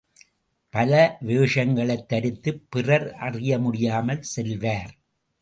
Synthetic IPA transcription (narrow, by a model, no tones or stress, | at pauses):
pɐlɐʋeːʂɐŋɡɐɭɐɪt̪ːɐɾɪt̪ːɯpːɪrɐɾʔɐrɪjɐmʊɽɪjaːmɐlsɛlʋaːɾ